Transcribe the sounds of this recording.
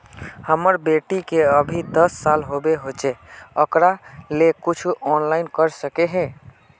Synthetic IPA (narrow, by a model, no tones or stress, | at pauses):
həməɾbeʈikeəbʱid̪əsːalɦobeɦot͡ʃɛəkɾalekut͡ʃʰuʔɔnlaɪnkəɾsəkeɦɛ̃